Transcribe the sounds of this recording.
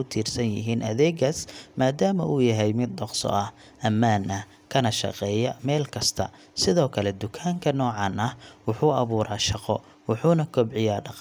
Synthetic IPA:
ʊt̪ʰiːrsɐnjɪ̰ɦiːnʔɐðɛːɡɐsmaːd̪aːmɐʔuːjɐɦɛjmɪd̪̚ɖɔqsɔ̰ʔɐh | ʔɐmaːnɐ | kʰɐnɐʃɑ̰qɛːjɐmɛːlkʰɐst̪ʰɐ̰ | sɪðɔːkʰɐlɛd̪ʊkʰaːŋkʰɐnɔːʕɑːnɐhwʊħuːʔɑβuːɾʔaːʃɑqɔ | wʊħuːnɐkʰɔbʕɪjaːɖɑq

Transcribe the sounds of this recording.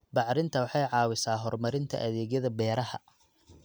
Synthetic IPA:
bɑʕɾɪnt̪ʰɐwɑħɑjʕɑːwɪsaːɦɔrmɐɾɪnt̪ʰɐ̰ʔɐðɛːɣjɐðɐbɛːɾɐhɐ̰

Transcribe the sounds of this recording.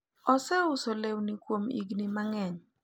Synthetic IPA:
ɔsɛʊsolewnikwomḭɡnimaŋɛɲ

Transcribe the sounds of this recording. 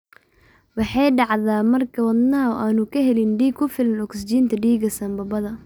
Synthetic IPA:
wɑħɑjɖɑʕðaːmɐrkʰɐwɐd̪nɐɔʔaːnʊkʰɐɦɛlɪnɖiːɡʰʊfɪlɐnɔks̬d͡ʒiːnt̪ʰɐɖiːɡɐsɐmbɐbɐðɐ

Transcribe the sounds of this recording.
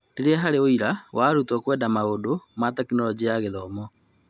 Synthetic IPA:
nd̥eɾeɛɦaɾeoiɾawaːɾutɔkwɛːdamaodomatakinɔɔd͡ʑeaɣeðɔːmɔ

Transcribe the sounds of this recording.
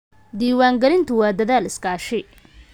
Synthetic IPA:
d̪iːwaːŋɡɐɾɪnt̪ʰʊwaːd̪ɐðaːlɪskaːʃɛ

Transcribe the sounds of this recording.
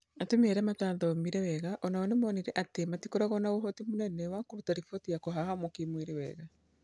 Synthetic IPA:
atomɛɾɛmataðɔmiɾɛwɛɣaʔɔnaɔnemɔniɾɛʔatematikoɾaɣɔnaoɦɔtimonɛnɛwakoɾutaɾifɔtiakoɦahamokemweɾewɛ̰ːɣa

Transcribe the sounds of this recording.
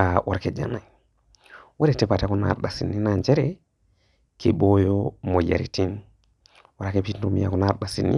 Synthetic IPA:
awʔaɾked͡ʒa̰naj | waɾetepatakuna̰ɾɗasinːinaɲd͡ʒeɾe | kebojomoja̰ɾḭtin | waɾakepintumijakɔnaɾɗasinːḭ

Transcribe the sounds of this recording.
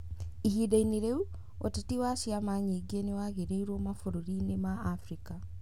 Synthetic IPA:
iɦidaineɾeu | o̰tetiwasiamaɲeɡienewaɣeɾeuɾomafoɾoɾinemaːfɾika

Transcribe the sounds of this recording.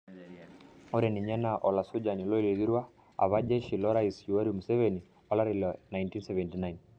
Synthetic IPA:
ɔɾɛniɲanaʔɔlasud͡ʒanilɔliɣiɾwa | a̰βad͡ʒɛʃilɔɾaisjuɔɾimusɛvɛni | ɔlaɾilɔnajntinsɛvɛntinajn

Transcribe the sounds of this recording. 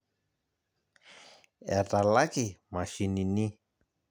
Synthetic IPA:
ɛtalakimaʃinini

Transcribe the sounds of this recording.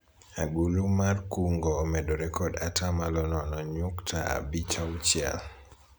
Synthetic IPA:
aɡulumarkuŋɡɔːmɛdɔɾɛkʰɔdatʰamalɔnɔnɔɲuktʰaa̰bit͡ʃawt͡ʃja̰l

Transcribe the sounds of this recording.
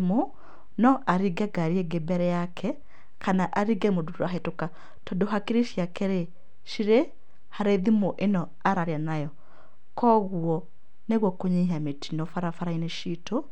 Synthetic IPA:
mo | nɔʔaɾiɡɛɡaɾieɡebɛɾɛjakʰɛ | kanaʔaɾiɡɛmodoɾoɾwaɦetoka | tɔndoɦakeɾeʃjakɛɾe | ʃiɾe | haɾeðimoʔenɔ | aɾaɾeanajɔ | kɔɣwɔ | neɣwɔkoɲeɦametʰinɔfaɾafaɾaineʃito

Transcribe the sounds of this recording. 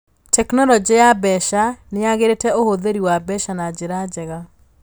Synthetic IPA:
tʰɛknɔlɔd͡ʒejabɛʃaneaɣeɾetɛohoðeɾiwabɛʃanad͡ʒeɾad͡ʒɛɣa

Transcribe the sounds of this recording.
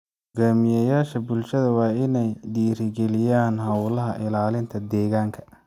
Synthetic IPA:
hʊɡaːmɪjɐjaːʃɐbʊlʃɐðɐwɑːɪnɛjd̪iːɾɪɡɛlɪjaːnɦɐwlɐɦɐʔɪlaːlɪnt̪ʰɐd̪ɛːɣaːŋkʰɐ̥

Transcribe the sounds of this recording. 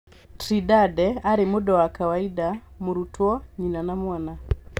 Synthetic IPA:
tɾidadɛaɾimudɔwakawaida | muɾutwɔɲinanamwana

